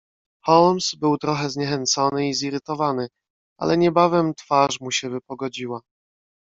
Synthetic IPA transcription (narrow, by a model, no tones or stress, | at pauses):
xɔlmsbɘwt̪ɾɔxɛzɲɛxɛnt̪sɔnɘiziɾɘt̪ɔvanɘ | a̰lɛɲɛbavɛmt̪faʂmuɕɛvɘpɔɡɔd͡ʑiwa